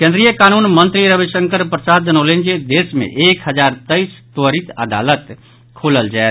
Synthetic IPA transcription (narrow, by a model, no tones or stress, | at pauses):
kẽnd̪ɾijəkaːnuːnmə̃nt̪ɾiɾəbiʃə̃ŋkəɾpɾəsaːd̪ənoːlẽːnd͡ʒed̪eːsmḛ̃ʔeːkɦəd͡ʒaːɾt̪əist̪wəɾit̪əd̪a̰ːlət̪ | kʰoːləld͡ʒae